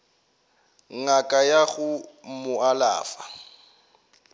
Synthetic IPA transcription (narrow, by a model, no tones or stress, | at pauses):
ŋ̩ŋakʼajaɣʊmʊala̰ːfa